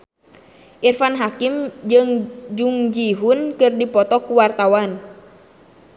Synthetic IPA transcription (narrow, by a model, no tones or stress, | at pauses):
ʔirfanɦakimd͡ʒɨŋd͡ʒuŋd͡ʒiɦunkɨrdipɔt̪ɔkuwart̪awan